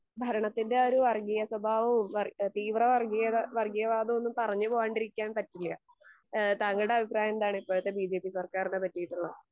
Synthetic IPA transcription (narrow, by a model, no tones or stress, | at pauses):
bʱɐɾɐɳɐt̪ːinde̞o̞ɾuʋɐrɡijɐswɐbʱaːʋɐumʋɐt̪iːʋrɐʋɐrɡijɐʋɐrɡijɐʋaːd̪ɐmo̞nːumpɐrɐɲːɨboːjaːɳɖiɾikʲːaːnpɐtːilːɐ̰ | t̪aːŋːɐɭɽe̞ɐbʱipraːjɐend̪aːɳɨipːoːɭɐt̪ːebiːd͡ʑe̞ːpːisɐrkaːrinepɐtːijiʈːuɭːɐ